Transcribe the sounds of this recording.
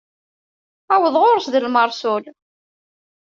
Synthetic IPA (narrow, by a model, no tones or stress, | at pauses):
æwəðˤʁoɾəsðəlməɾˤsʊl